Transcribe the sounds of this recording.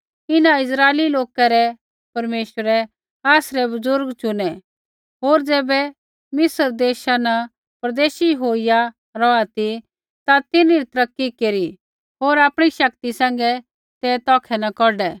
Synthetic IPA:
ɪnãɪsɾaːeliloːkaɾɛ | pɐɾmeːʃəɾɛ | aːsɾɛbɐzʊɾɡt͡ʃʊnɛ | ɦoːɾd͡zɛːbɛ | mɪsəɾd̪eːʃanɐ | pɾɐd̪eːʃiɦoːɪja | ɾɔat̪i | t̪at̪ɪniɾit̪ɾɐkːikeːɾi | ɦoːɾaːpɽ̃iʃɐkt̪isɛ̃ːŋ̆ɡɛ | t̪ɛːt̪ɔːkʰɛnɐkɔɖɛ

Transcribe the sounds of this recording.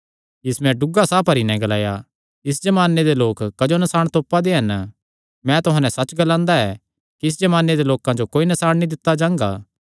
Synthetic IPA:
ɪsmɛ̃ɖʊɡasaːpʰɐɾinɛ̃ɡɐlaːja | ɪs̬d͡ʒɐmaːnːed̪eloːkːɐd͡ʒonɐsaːɽ̃t̪oːpːad̪eɦɐn | mɛ̃t̪ʊɦãːnɛ̃sɐt͡ʃɡɐlãːnd̪aɛ | kiɪs̬d͡ʒɐmaːnːed̪eloːkãd͡ʒokoːinɐsaːɽ̃nĩd̪ɪt̪ːad͡ʒãːŋɡaː

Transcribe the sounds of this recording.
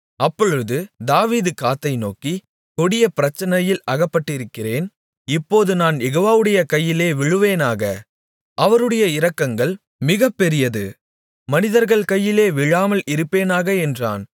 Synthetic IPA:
ɐpːɔɻɯðɯd̪aːʋiːðɯkaːt̪ːɐɪno̰ːki | kɔɽɪjɐpɪɾɐt͡ʃːɐnɐjɪlɐɣɐpːɐʈːɪɾɯkːɪreːn | ɪpːoːðɯnaːnjɛɣoːʋaːʋɯɽɐjɐkɐjːɪleːʋɪɻɯʋeːnaːɣɐ | ʔɐʋɐɾɯɽɐjɐɪɾɐkːɐŋɡɐɭ | mɪɣɐpːɛɾɪjɐðɯ̰ | mɐnɪðɐɾɣɐɭkɐjːɪleːʋɪɻaːmɐlʔɪɾɯpːeːnaːɣɐɛndra̰ːn

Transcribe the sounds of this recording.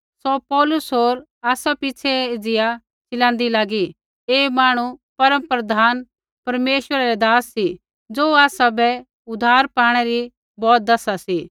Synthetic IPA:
sɔpɔːlʊsɦoːɾ | aːsapɪt͡ʃʰɛd͡zɪja | t͡ʃɪlãːnd̪ilaːɡi | eːmaːɽ̃upɐɾə̃mpɾɐd̪ʱaːn | pɐɾmeːʃʋəɾaɾɛd̪aːsːi | d͡zoːaːsabɛ | ʊd̪ʱaːɾpaːɽ̃ɛɾi | bɔːt̪̚d̪ɐsasi

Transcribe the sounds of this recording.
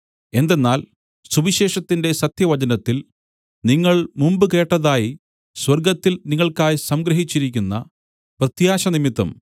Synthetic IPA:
e̞nd̪e̞nːaːl | subiɕe̞ːʂɐt̪ːinde̞sɐt̪jɐʋɐt͡ɕɐnɐt̪ːil | niŋːɐɭmumbɨke̞ːʈːɐðaːji | swɐrɡɐt̪ːilniŋːɐɭkaːjsɐmɡɾɐɦit͡ɕːiɾikʲːunːɐ̰ | prɐt̪jaːɕɐnimit̪ːɐ̰m

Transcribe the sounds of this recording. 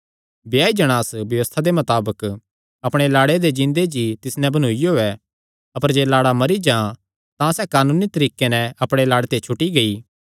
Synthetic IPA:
bjaːid͡ʒɐɽ̃aːsbjɐʋəst̪ʰad̪emɐt̪aːbək | ɐpɽ̃elaːɽed̪ed͡ʒɪ̃nd̪ed͡ʒit̪ɪsnɛ̃bɐñuijoːɛ | ɐpəɾd͡ʒeːlaːɽamɐɾid͡ʒã | t̪ãsɛːkaːnũːnit̪ɐɾiːkːenɛ̃ɐpɽ̃elaːɽet̪et͡ʃʰʊʈːiɡɐiː

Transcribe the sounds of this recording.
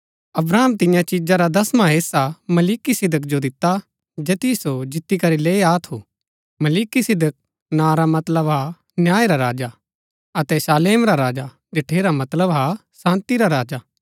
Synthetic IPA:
ɐbɾaːmt̪ɪjãt͡ʃɪd͡ʒãɾad̪ɐsmãɦeːsamɐliːkisɪd̪ʱək̬d͡ʒod̪ɪt̪ːa | d͡ʒeːt̪isod͡ʒɪt̪ːikɐɾileːaːt̪ʰo | mɐliːkisɪd̪ək̚ | naːɾamɐt̪ləbɦa | njaːeɾaɾaːd͡ʒa | ɐt̪ɛsaːleːmɾaɾaːd͡ʒa | d̪ɪʈʰeːɾamɐt̪ləbɦasãːnt̪iɾaɾaːd͡ʒaː

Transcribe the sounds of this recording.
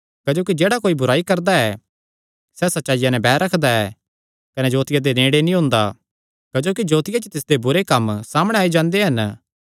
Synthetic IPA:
kɐd͡ʒoːk̬id͡ʒeːɽakoːibʊɾaːikɐɾd̪aɛ | sɛsɐtːʃaːijanɛ̃bɛːɾɐkʰd̪aɛ | kɐned͡ʒoːt̪ɪjad̪enẽːɽenĩɦʊ̃ːnd̪a̰ | kɐd͡ʒoːkid͡ʒoːt̪ɪjat͡ʃt̪ɪsd̪ebʊɾekɐmsaːmɽ̃eaːid͡ʒãːnd̪eɦɐn

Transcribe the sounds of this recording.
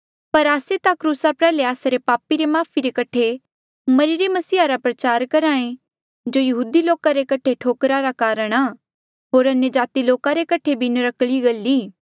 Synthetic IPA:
pɐɾaːset̪akɾuːsapɾɛːleaːsaɾepaːpiɾemaːpʰiɾekɐʈʰe | mɐɾiɾemɐsiːaɾapɾɐt͡ʃaːɾkɐɾaːẽ | d͡ʒoːjɐɦuːd̪iloːkaɾekɐʈʰeʈʰoːkɾaɾakaːɾəɽ̃aː | ɦoːɾɐnjəd͡ʒaːt̪iloːkaɾekɐʈʰebʱinɐɾɐkɭiɡɐlːiː

